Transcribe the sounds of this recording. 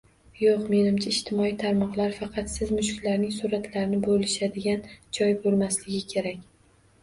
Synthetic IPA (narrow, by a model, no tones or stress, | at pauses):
joqme̞nɪmt͡ʃʰaɪʃt̪ʰɪmɒit̪ʰaɾmɒqlˠaɾfɑqʰɑt̪sɪzmʊʃklaɾnɪŋsuɾat̪laɾɪnɪbolɪʃad̪ɪɡʲand͡ʒɒjbolˠmaslɪɡʲɪkʲʰe̞ɾakʲ